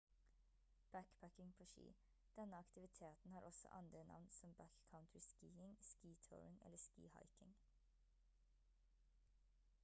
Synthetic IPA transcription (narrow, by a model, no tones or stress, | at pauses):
b̥ækbʰækɪŋpʰoːʃḭː | d̪̥ɛnəɑkt̪ɪʋɪt̪ʰeːt̪n̩hɑːɾʔɔsɔ̰ʔɑnd̪ɾənʔɑ̰ʋnsɔmbækkʰaʊnt̪ʰɹɪskiːɪŋskiːt̪ʰo̰ːɹɪŋɛ̰ləskḭːhɑ̰ɪkɪŋ